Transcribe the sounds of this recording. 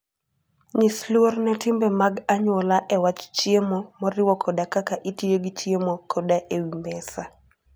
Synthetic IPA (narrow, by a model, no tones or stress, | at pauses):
ɲislwornɛtɪmbɛmaɡaɲwɔlaʔɛwat͡ʃt͡ʃiemomɔɾɪwɔkʰɔdakakaʔitijeɡit͡ʃiemokʰɔdaʔewimbɛsa